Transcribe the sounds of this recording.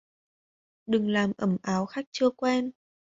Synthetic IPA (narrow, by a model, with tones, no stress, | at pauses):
ɗɨ˨˩ŋlaː˨˩mʔə˧˩mʔaː˨˦wxa˦˥jk̟̚t͡ɕɨ˧əkwɛ˧n